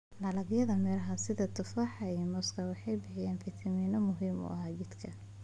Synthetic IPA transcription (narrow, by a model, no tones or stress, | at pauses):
lɑlɐɡjɐðɐmɛɾɐɦɐsɪðɐt̪ʰʊfaːħɑiːmɔskʰɐwɑħɑjbɪħɪjɛːnfit̪ʰɐmiːnɔmʊɦiːmʊ̰ʔɐɦaːt͡ʃɪd̪kʰɐ